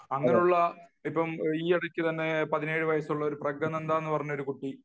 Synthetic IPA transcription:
ɐŋːɐneuɭːɐipːɐmiːɐɽɐkʲːɨt̪ɐnːe̞pɐðine̞ːɻɨʋɐjɐsuɭːɐo̞ɾuprɐɡɐne̞nd̪aːenːɨpɐrɐɲːuo̞ɾukuʈːi

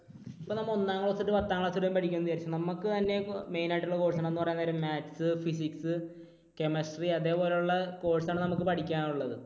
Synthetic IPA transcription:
ipːonɐmːɐonːaːŋːɐɭosuʈːɨpɐt̪ːaːŋɐɭosuɾjɐmpɐʈʰikʲːumɐnɨkɐaːɾit͡ɕːunɐmːɐkːɨt̪ɐnːe̞me̞jnaːjiʈːuɭːɐko̞ːʈsaɳenːɨpɐrɐjanːɐɾummaːtːsɨfis̬iksɨ | kemɐsʈriɐðe̞ːpo̞ːlejuɭːɐko̞ːɻsaːɳɨnɐmukːɨpɐʈʰikʲːaːnuɭːɐðɨ

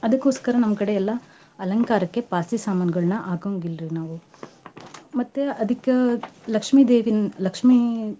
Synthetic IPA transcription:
ɐd̪ɐkːoːskɐɾɐnɐmːɐkɐɽeɛlːɐ | ɐlɐŋkaːɾɐkːe̞paːsisaːmaːnɐɡɐɭnɐʔaːɡɐŋɡilɾinaːʋu | mɐt̪ːeɐd̪ikːɐlɐkʂmiːd̪eːʋinlɐkʂmi

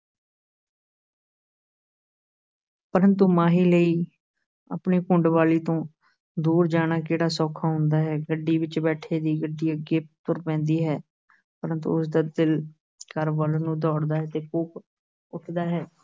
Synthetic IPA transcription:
pəɾə̃nt̪uːmaːɦiːləiː | a̰ːpɳiːkʊɳɖʋaːliːt̪õː | d̪uːɾd͡ʒaːɽ̃aːkeːɽaːsɔːkʰaːɦʊ̃nd̪aːɦɛːɡəɖːiːʋɪt͡ʃbɛːʈʰeːd̪iːɡəɖːiːəɡɪp̚t̪ʊɾpɛ̃ːnd̪iːɦɛː | pəɾə̃nt̪ṵʊsd̪aːd̪ɪl | kəɾʋəlnũːd̪ɔːɽd̪aːɦɛːt̪eːkuːp | ʊʈʰd̪aːɦɛː

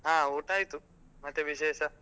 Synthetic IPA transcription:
ɦãːuʈajt̪u | mat̪eʋiʃeːʃa

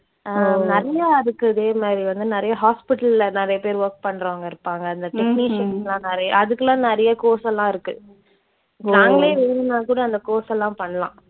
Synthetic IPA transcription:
anɪɾɐjaːɪɾɯkːɯɐðeːmaːd̪ɾiʋɐnd̪ɯnɪɾɐjɐɦaːspɪʈɐllɐnɪɾɐjɐpeːɾʋɐɾk̚pɐɳːɾoːŋɡɐɪɾɯpːaːŋɡɐːnd̪ɐʈɪkniʂɐnlãːnɛɾɐjɐʔɐðɯkːɐlãːnɪɾɐjɐkoːsɛlːãːɪɾɯkːɯ̰ | naːŋɡɐleːʋeɾnãːkuːɽɐɐnd̪ɐkoːsɛlːãːpɐɳːɐlãː

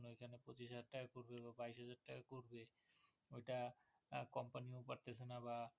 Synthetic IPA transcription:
noekʰanepɾot͡ɕiʃɦad͡ʑaɾʈakakoɾbeβabajsɦad͡ʑaɾʈakakoɾbe | ojʈa | kɔmpaniopaɾt̪et͡ɕʰenaba

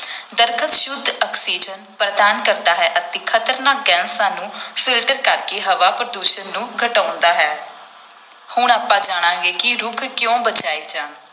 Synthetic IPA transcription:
d̪əɾkʰət̪ʃʊd̪ʱːɔksiːd͡ʒənpɾəd̪aːnkəɾd̪aːɦɛːʔət̪eːkʰət̪əɾnaːk̚ɡɛːnsãːnũːpʰɪlʈəɾkəɾkeːɦəʋaːpɾəd̪uːʃənːũːɡʱəʈaːnd̪aːɦɛː | hʊɳ̃aːpãːd͡ʒaːɽ̃ãːɡeːkɪɾʊkʰkjõːbət͡ʃaːiːd͡ʒãːn

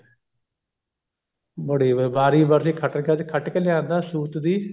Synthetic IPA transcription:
bəɽiːbaːɾiːbəɾsiːkʰəʈəkakʰəʈkelɪãːnd̪aːsuːt̪d̪iː

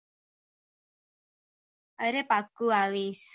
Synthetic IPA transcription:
əɾepakuawɪs

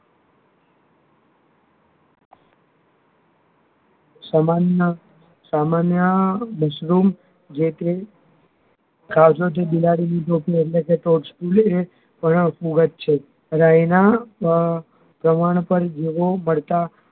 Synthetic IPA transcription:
samanə | samanjəməʃɾum | d͡ʒet̪e | ɡʱaʋd͡ʒot̪̬ebilaɽinid͡ʒopieʈlekeʈoʈskule | pəɳfuɡət̪̚t͡ʃʰe | ɾajna | pɾəmaɽ̃pəɾd͡ʒeʋoməɭt̪a

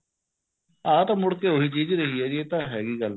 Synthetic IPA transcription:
ãːt̪amʊɽkeːoɦit͡ʃiːd͡ʒɾəɦiɛːd͡ʒieːt̪ãːɦɛːɡiːɡəl

